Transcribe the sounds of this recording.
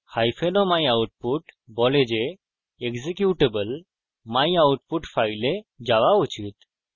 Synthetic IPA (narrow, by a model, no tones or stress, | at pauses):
hajfʰenɔmajawʈ̚puʈbɔled͡ʑe | ekzekjuʈebəl | majawʈ̚puʈfailed͡ʑaʋaut͡ɕit̪